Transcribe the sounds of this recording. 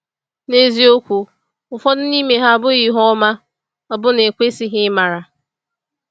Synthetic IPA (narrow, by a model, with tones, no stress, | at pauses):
ne˦zi˦o˦kʷu˨ | ʊ˨fɔ˦dʊ˦ni˦me˨ɦa˦a˨bʊ˦ɣi˨ɦɔ˦ma˦ | ɔ˨bʊ˦ne˨kʷe˦si˦ɦɪ˦ma˨ɾa˨